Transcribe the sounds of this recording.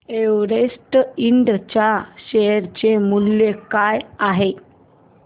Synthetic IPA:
eʋɾesʈiɳɖt͡ɕjaɕejɾt͡ɕemuljekajaɦe

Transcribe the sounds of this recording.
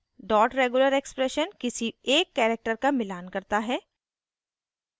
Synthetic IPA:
ɖɔːʈɾeːɡuləɾekspɾɛʃənkɪsieːkːɛːɾek̚ʈəɾkamɪlaːnkɐɾt̪aɦɛː

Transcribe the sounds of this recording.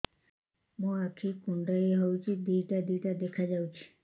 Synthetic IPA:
mũakʰikuɳɖəeɦowt͡ʃʰid̪ijʈad̪ijʈad̪ekʰad͡ʒawt͡ʃʰi̥

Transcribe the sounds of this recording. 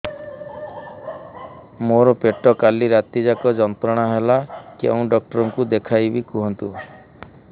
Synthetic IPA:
moɾɔpeʈɔkaliɾat̪id͡ʒakɔd͡ʒɔnt̪ɾɔɽ̃aɦelakḛũɖɔk̚ʈɔɾɔŋkud̪ekʰajbikuɦɔnt̪u

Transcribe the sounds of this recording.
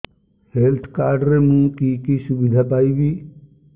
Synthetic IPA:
helt̪ʰkaːɾɖəɾemũːkikisubid̪ʱapaːibi

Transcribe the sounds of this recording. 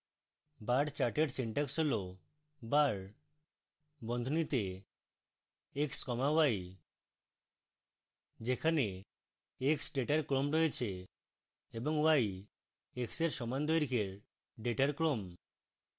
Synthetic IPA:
baɖt͡ɕaʈeʈsiɳʈaksɦolo | baɾ | bɔnd̪ʱonit̪e | ekskɔmawaj | d͡ʑekʰane | eksɖeʈaɾkɾomɾoet͡ɕʰe | eboŋwaj | ekseɾʃɔmand̪ʱoeɾikʰeɾ | ɖeʈaɾkɾom

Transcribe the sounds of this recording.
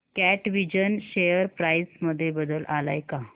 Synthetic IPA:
kæʈʋid͡ʑənɕejəɾpɾajsməd̪ʱːjebəd̪əlʔala̰jka

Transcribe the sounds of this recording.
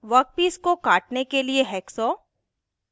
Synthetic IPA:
ʋɐk̚piːskokaːʈnekelieɦɛːksɔː

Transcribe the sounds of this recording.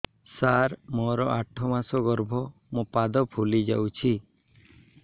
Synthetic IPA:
saɾmɔɾɔʔaʈʰɔmasɔɡɔɾbʱɔ | mũpad̪ɔpʰulid͡ʒa̰wt͡ʃʰi

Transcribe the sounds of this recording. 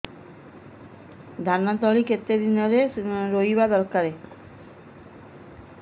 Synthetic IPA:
d̪ʱanːat̪ɔɭiket̪ːed̪inɔɾeɾoibad̪ɔlkaɾe

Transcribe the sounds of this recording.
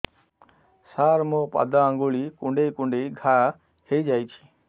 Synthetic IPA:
saɾmɔpa̰d̪aːŋɡuɭikuɳɖejkuɳɖejɡʱa | hejd͡ʒajt̪ʰi̥

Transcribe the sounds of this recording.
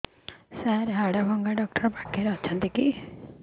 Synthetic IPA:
saɾɦaɽabʱɔŋɡaɖɔk̚ʈɔɾpakʰːeɾɔt͡ʃʰʌnt̪iki

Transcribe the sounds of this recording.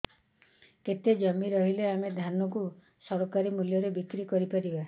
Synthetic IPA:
ket̪ed͡ʒɔmiɾɔɦileamed̪ʱanɔku | sɔɾɔkaɾimuljɔɾebikɾikɔɾipaɾiba

